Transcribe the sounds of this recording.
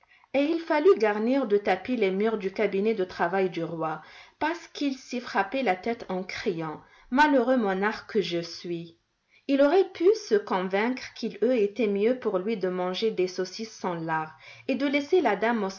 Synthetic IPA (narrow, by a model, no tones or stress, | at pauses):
eilfalyɡaʁniʁd̪ət̪apilemyʁd̪ykabinɛd̪ət̪χavajd̪yʁwapaʁsə̥kilsifχapɛlat̪ɛt̪ɑ̃kχijɑ̃ | maløʁømɔ̃naʁkəʒəsɥi | ilɔʁɛpʰysəkɔ̃vɛ̃kχkʰiløet̪ɛmjøpuʁlɥid̪əmɑ̃ʒed̪esɔsisɑ̃laʁed̪əlɛselad̪amo